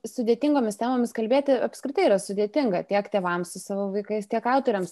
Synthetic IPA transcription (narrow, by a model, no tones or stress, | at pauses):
sʊd̪ʲeːtʲɪŋɡoːmʲɪst̪ʲæːmoːmʲɪskɐlʲbʲeːt̪ʲɪɐpskɾʲɪt̪ɐɪiːɾɐsʊd̪ʲeːt̪ʲɪŋɡɐt̪ʲiɛkt̪ʲeːʋɐmsʊsɑːʋoːʋɐɪkɐɪst̪ʲiɛkɑʊt̪oɾʲɛms